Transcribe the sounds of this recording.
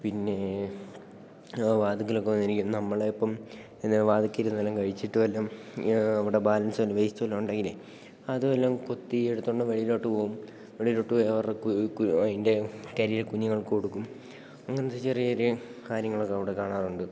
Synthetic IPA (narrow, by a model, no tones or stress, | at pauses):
pinːe̞ | ʋaːd̪ik̬ːɐlokːenːiɾikʲːumnɐmːɐɭepːɐm | enːeʋaːd̪ikːiɾunːɐɐlːɐŋkɐɻit͡ɕːiʈːɨʋɐlːɐm | ɐʋiɽe̞baːlɐnsɐlːɐʋejsit͡ɕːɐʋɐlːɐmuɳɖaːŋɡile | ɐðuʋɐlːɐmko̞t̪ːieɽut̪ːoɳɖɨʋeɭiloːʈːɨpoːum | ʋeɭilo̞ːʈːɨjɐʋɐrekkɐðinde̞kɐɾijɐlkuɲːiŋːɐɭkkoɽukːum | ɐŋːɐnðɨt͡ɕerijɐoɾukaːɾjɐŋːɐɭokːɐʋiɽekaːɳaːruɳɖɨ